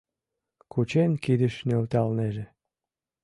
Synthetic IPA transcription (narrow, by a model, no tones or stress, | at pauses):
kut͡ɕenkid̪ə̆ʃnølt̪ɑlneʒe